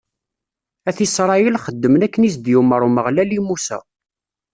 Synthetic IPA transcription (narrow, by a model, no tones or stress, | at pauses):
æθisɾˤɑjəlχəd̪ːəmənækːənis̬d̪juməɾˤuməʁlælimusæ̰